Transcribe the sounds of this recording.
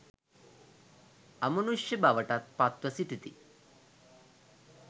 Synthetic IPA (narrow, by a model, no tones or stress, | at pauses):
ɐmɐnuʂjɐbaʋəʈat̪̚pat̪ʋɐsit̪it̪i